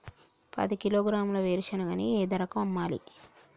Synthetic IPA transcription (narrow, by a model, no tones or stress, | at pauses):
pɐ̰d̪ikiloːɡɾaːmlɐʋeːɾiʃɐnɐɡɐnieːd̪ɐɾɐkɐmɐmːaːlḭ